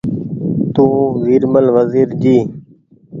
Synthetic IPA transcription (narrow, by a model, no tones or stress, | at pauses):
t̪ũːʋiːɾməlʋəziːɾd͡ʒiː